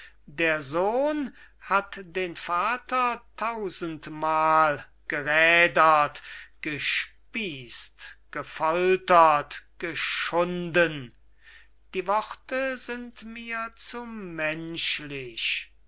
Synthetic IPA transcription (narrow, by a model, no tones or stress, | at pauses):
deːɐzoːnhatdeːnfaːtɐtʰaʊzəntmaːl | ɡ̥əʁɛːdɐtɡ̥əʃpiːstɡ̥əfɔltɐtɡ̥əʃʊndən | d̥iːvɔʁtəzɪntmiːɐt͡sumɛnʃlɪɕ